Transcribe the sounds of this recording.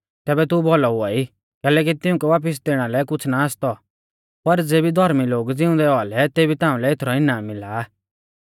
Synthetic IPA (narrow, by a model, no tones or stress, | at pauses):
t̪ɛːbɛt̪ubɔlɔɦʊaːi | kɛːlɛk̬it̪ɪʊ̃kɛʋaːp̬əs̬d̪eːɽ̃alɛkʊt͡sʰnaast̪ɔ | pɐɾd͡zeːbid̪ʱɔɾmiloːɡd͡zɪʊ̃nd̪ɛɔalɛt̪eːbit̪ãːũlɛet̪ʰɾɔɪnãːmːɪla